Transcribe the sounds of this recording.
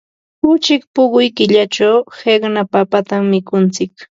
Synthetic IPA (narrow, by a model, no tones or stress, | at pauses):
ʊt͡ʃɪkpʊɢʊjkɪʎat͡ʃawheɢnapapat̪amːɪkʊnt͡sɪk